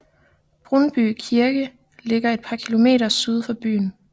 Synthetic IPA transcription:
b̥ʁɔnb̥y̰ːkʰiɐɡ̥ə | le̝ɡ̥ɐe̝d̥̚pʰɑ̈kʰilo̝me̝̰ːɾɐsyð̞ˠfɑ̈b̥y̰ːn̩

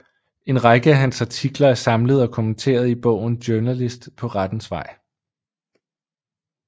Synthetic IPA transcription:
e̝nʁɑ̈ɡ̥əæɦænsɑ̈t͡sʰiɡ̥lɐæɐsɑ̈mləð̞̩ˠɒ̽kʰo̝mənt͡sʰe̝̰ːɐð̞̩ˠib̥ɔ̽ʊ̰n̩d̥joɐnælisd̥pʰɒ̽ʁɑd̥n̩sʋɑ̈ɪ̰

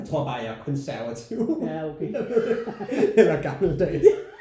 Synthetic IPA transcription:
t͡sʰʁo̝ɐ̰b̥ɑ̈ːæɐkʰɔ̽nsæɐʋæt͡sʰiʊokʰeed̥eelɐɡ̥ɑ̈ml̩d̥ɛ̰ː

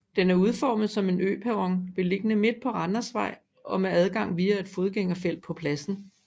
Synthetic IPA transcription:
d̥enæɐuð̞ˠfɒ̰ːmð̞̩ˠsɒ̽me̝nø̰ːpʰæʁɒ̽ŋʋe̝le̝ɡ̥ənəme̝d̥̚pʰɒ̽ʁɑ̈nɐsʋɑ̈ɪ̰ | ɒ̽meæð̞ˠɡ̥ɑ̈ŋ̰ʋiːæe̝d̥fo̝ð̞ˠɡ̥eŋɐfel̰d̥̚pʰɒ̽pʰlæsn̩

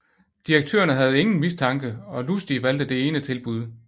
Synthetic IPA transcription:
d̥iɐɡ̥̚t͡sʰø̰ːɐnəɦæð̞̩ˠe̝ŋn̩mist͡sʰɑ̈ŋɡ̥əɒ̽lusd̥iʋæl̰d̥əd̥e̝e̝ːnət͡sʰe̝lb̥uð̞ˠ

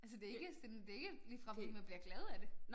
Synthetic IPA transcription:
æls̬əd̥e̝eɡ̥əd̥end̥e̝e̝ɡ̥əliːfʁɑ̈mænb̥liɐɡ̥lɛð̞̩ˠæd̥e̝

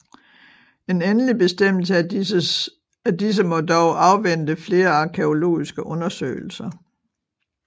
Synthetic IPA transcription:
e̝nenəlib̥e̝sd̥em̰l̩sə | æd̥is̬əmɒ̽dɒʊʔɑ̈ʊʋen̰d̥əfle̝ːɐɑ̈kʰe̝o̝lo̝̰ːisɡ̥əʔɔ̽nɐsø̰ɪl̩sɐ

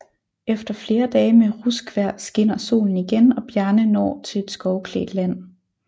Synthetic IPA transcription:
efd̥ɐfle̝ːɐd̥ɛːmeʁusɡ̥ʋæɐ̰sɡ̥e̝n̰ɐso̝̰ːln̩iɡ̥enɒ̽b̥jæɐnənɒ̰ːt͡sʰe̝le̝d̥sɡ̥ɒʊkʰlḛːd̥læn̰

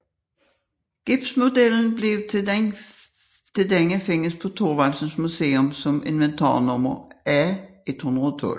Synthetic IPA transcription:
ɡ̥ib̥smʊd̪ɛln̩bleʊ | t̪ʰeld̪ɛŋəfeŋəspʰɔt̪ʰoːʋɑlsn̩smʉseːʊmsɔmɪnʋənt̪ʰɑ̰ːnɔmɐæːet̪hund̪ʁəot̪ʰɔ̰l

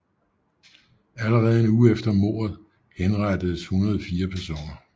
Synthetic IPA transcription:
æləʁɛːð̞̩ˠe̝nuːəefd̥ɐmo̝̰ːɐ̰ð̩ˠ | henʁɑd̥əð̩ˠəshunɐð̞ˠfiːɐpʰæɐso̝̰ːnɐ

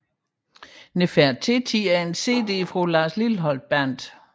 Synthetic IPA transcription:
nefæɐ̰t͡sʰe̝t͡sʰiæɐe̝nse̝̰ːd̥e̝̰ːfʁulɑ̈ːslilɦɒ̽ld̥̚b̥æn̰d̥

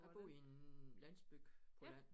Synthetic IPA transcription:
ɑb̥o̝ienlæn̰sb̥yɡ̥pʰɒlæn̰

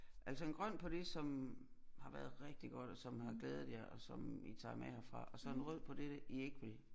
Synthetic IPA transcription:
ʔæl̰sɒe̝nɡ̥ʁɶn̰pʰɒ̽d̥e̝sɒ̽m | hɑ̈ʋæːɐð̞̩ˠʁeɡ̥̚d̥iɡ̥ɒ̽d̥ɒ̽sɒ̽mhɑ̈ɡ̥leːð̞̩ˠjɑ̈ʔɒ̽sɒ̽mit͡sʰɑ̰̈ːmehæfʁɑ̈ɒ̽sɒ̽enʁɔð̞̰ˠpʰɒ̽d̥eɾəie̝ɡ̥ʋe̝l

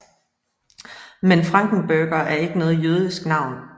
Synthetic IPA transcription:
menfʁɑ̈ŋ̰ɡ̥ŋ̩b̥øɡ̥ɐʔæɐe̝ɡ̥ənɔ̽ːð̞̩ˠjøːð̞ˠisɡ̥nɑ̈ʊ̰n

